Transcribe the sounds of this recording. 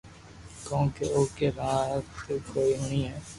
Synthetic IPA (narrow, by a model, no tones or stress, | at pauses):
kõːkeoːkeɾãːɦəksekoːiɦʊniɦɛː